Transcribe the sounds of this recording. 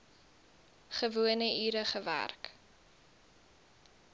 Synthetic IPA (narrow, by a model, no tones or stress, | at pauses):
χəvuənəʔiːɾəχəvæ̰rk